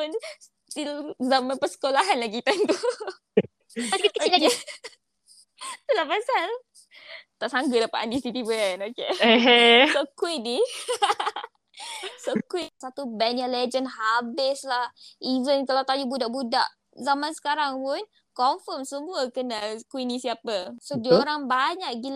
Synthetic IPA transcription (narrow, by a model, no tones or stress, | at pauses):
əns | t̪ilzamãnpəsə̥kolaɦanlaɡit̪ant̪u | akəiake | t̪ulahpasal | t̪aʔsaŋɡədapaʔandist̪it̪ibəanoke | sokwini | sokwisat̪ubɛnjaled͡ʒənhabɪslahivənkalawt̪ajubudaʔbudaʔ | zamansə̥kaɾaŋpʊn | kɔɱfəmsəmuəkənakuwinisiapəsodioɾaŋbaɲaʔɡil